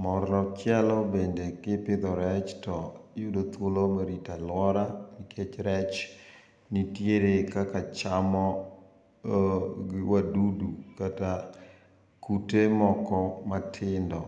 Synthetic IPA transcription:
mɔɾlɔt͡ʃjalɔbendekɪpɪd̪ɔɾɛt͡ʃtɔjʊdot̪wolomaɾitalwɔɾanɪkʰet͡ʃɾɛt͡ʃ | nitjeɾekakat͡ʃamɔ | wadudukata | kutemɔkɔmatʰɪndɔ

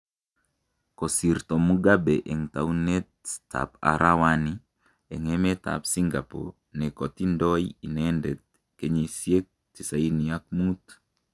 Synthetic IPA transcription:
kɔsirt̪ɔmuɡabeʔeŋtaunɛtta̰pa̰ɾʔawani | eŋɛmɛta̰psiŋɡapo̰ | nɛkɔtindɔjinɛndɛt̚ | keɲesjek̚ | tisainijak̚mut̪

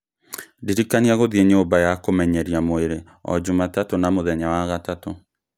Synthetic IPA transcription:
diɾikaniaɣoðieɲoːbajakomɛɲɛɾiamoeɾe | ɔ̰d͡ʑumatatonamoðɛɲawaɣatato

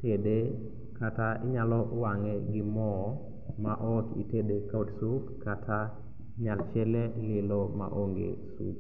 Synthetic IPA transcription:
tede | kataɪɲalɔwaŋeɡɪmɔ | maʔɔkḭtedekadsufkatʰa | ɲalt͡ʃɛlelɪlɔma̰ʔoŋɡḛsṵp

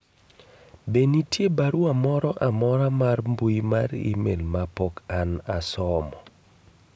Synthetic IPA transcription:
benitjebaɾuamɔɾɔʔamɔɾamarmbujmaɾḭmḛlmapɔkanasɔmɔ

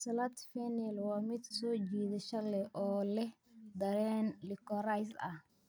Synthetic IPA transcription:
sɐlɐt̪fɛnɛlwaːmɪd̪sɔːt͡ʃiːðɐʃɐlɛʔɔːlɛh | d̪ɐɾɛːnlɪkɔɾajsɐ̰h

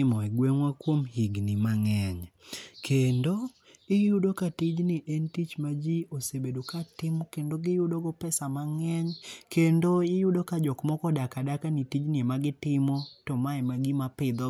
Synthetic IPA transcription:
ɪmɔɛɡweŋwakwomhiɡnɪmaŋɛɲkʰendo | ɪjʊdokatid͡ʒnɪʔɛntit͡ʃmad͡ʒiosebedokatɪmɔkendoɡɪjʊdoɡɔpɛsamaŋɛɲkendoɪjʊdokad͡ʒɔkmɔkɔdakadakanitid͡ʒnɪemaɡɪtɪmɔtɔmaɛmaɡimapɪd̪ɔ

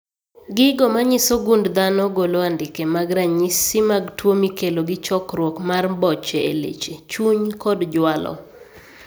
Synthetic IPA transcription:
ɡɪɡɔmaɲɪsoɡundd̪anɔɡoloandɪkemaɡɾaɲisɪmaɡtwomikeloɡɪt͡ʃɔkɾwɔkmarbɔt͡ʃeḛlḛt͡ʃet͡ʃuɲkɔdd͡ʒwalɔ̰

